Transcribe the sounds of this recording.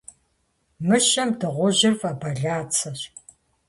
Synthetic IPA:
mɨʃɐmdɨʁʷʊʑɪrvɐbɐɮaːt͡sʰɐɕ

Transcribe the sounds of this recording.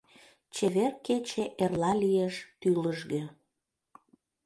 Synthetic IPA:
t͡ɕeβerket͡ɕeʔerlɑlijeʃt̪yləʒɣø

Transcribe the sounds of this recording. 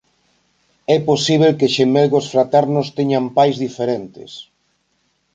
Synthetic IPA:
ɛposiβ̞elkeʃemelɣosfɾat̪ɛɾnʊst̪eɲampajzðifeɾent̪ɪ̰s

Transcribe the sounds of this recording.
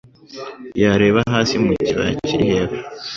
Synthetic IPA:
jaɾe̞ːβaɦaːsimuciɾa̰ciɾiheβa

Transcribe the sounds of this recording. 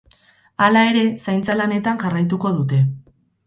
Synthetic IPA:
alae̞ɾe̞sajnt͡salane̞t̪aŋʝarajt̪uko̞ðut̪e̞

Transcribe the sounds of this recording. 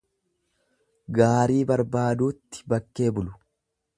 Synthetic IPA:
ɡaːɾiːbɐɾbaːd̪uːt̪ːɪ̥bɐkːe̞ːbʊlʊ̥

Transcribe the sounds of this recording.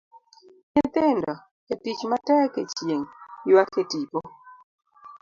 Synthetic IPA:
ɲet̪endɔ | kɛtit͡ʃmatɛkɛt͡ʃjeŋiwaketipɔ

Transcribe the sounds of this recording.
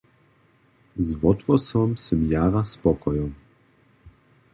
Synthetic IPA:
zvɔt̪vɔsɔmsɛmjaːʁaspɔkɔjɔm

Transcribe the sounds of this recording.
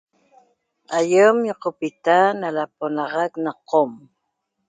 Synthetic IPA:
ajəmjoqopit̪analaponɑʁɑknaqʰom

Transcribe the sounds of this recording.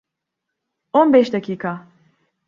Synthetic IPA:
onbɛʃd̪acʰiːkʰa

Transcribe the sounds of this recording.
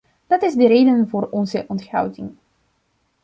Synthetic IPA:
d̥ɑtɪzdəɾeːdənvʊːrɔnzəʔɔnthɑ̰wtɪŋ

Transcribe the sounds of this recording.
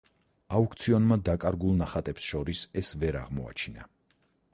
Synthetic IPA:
aukʰt̪sʰiɔnmad̪akʼaɾɡulˠnaχat̪ʼɛpsʃɔɾisɛsvɛɾa̰ʁmɔ̰a̰t͡ʃʰina̰

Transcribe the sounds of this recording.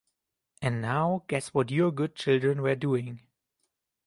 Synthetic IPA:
ʔɛ̃nnaʊɡ̥ɛswɔtjɔ˞ɡʊd̚t͡ʃɪlˠdɹə̃nwə˞duɪ̃ŋ

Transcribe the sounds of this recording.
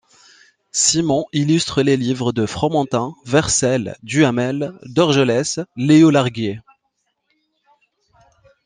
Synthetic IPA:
simɔ̃ʔilyst̪χəlelivʁəd̪əfχɔmɑ̃t̪ɛ̃vɛʁsɛld̪yamɛld̪ɔʁʒəlɛsleolaʁɡje

